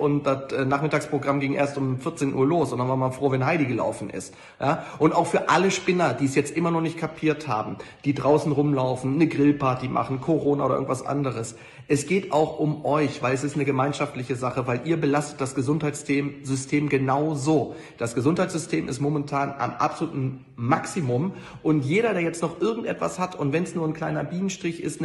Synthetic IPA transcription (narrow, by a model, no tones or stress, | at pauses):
ʔʊntd̥asʔɛːnaːχmɪtaːkspʁ̥oɡʁamɡɪŋʔḛːɐstʊmfɪɐt͡seːnʔṵːɐloːsʔʊnd̥anvaːɐmaːlfʁ̥oːvɛnɦaɪdiɡəla̰ʊfn̩ʔɪ̰st | jaːʔʊntaʊxfyːɐʔaləʃpɪnɐd̥iːɛsjɛt͡stʔɪmɐnɔχnɪçt̚kʰapʰiːɐtha̰ːbm̩ | d̥iːdʁaʊsn̩ʁʊmlaʊfn̩ːnəɡʁɪlpʰaɐtimʔa̰χn̩kʰoʁoːnaʔoːɾɐɪ̰ɡŋ̩tv̥asʔa̰ndəʁ̞əs | ʔɛsɡ̥eːtaʊxʔʊmʔɔʏçv̥aɪlɛs̬ɪstnəɡəmaɪnʃaftlɪçəzaχəvaɪlʔiːɐbəlastə̥t̚d̥asɡ̥əzʊnthaɪt͡steːmzʏstʰeːmɡənaʊzoː | d̥asɡ̥əzʊnthaɪtt͡sz̥ʏstʰeːmʔɪ̰stmomɛntʰaːnʔa̰mʔa̰pz̥oluːtn̩ | maksimʊm | ʔʊntjeːɾɐdeːɐjɛt͡stnɔχʔɪɐɡŋ̩tʔɛ̰tv̥a̰shatʊntv̥ɛnsnuːɐnkl̥aɪnɐbiːnənʃtʁ̥ɪçʔɪ̰stn